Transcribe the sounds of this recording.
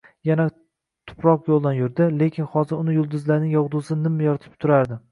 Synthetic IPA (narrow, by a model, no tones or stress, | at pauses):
jana | t̪ʰʊ̥pɾɒqjolˠd̪anjʊɾd̪ɪle̞kʲʰɪnhɒzɪɾʊnɪjʊlˠd̪ʊzlaɾnɪŋjɒʁd̪ʊsɪnɪmːajɒɾt̪ʰɪ̥p̚t̪ʰʊɾaɾd̪ɪ